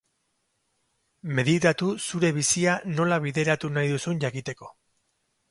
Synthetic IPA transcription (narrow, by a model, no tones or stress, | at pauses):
me̞ðit̪at̪usuɾe̞β̞isiano̞laβ̞iðe̞ɾat̪unajðusuɲʝakit̪e̞ko̞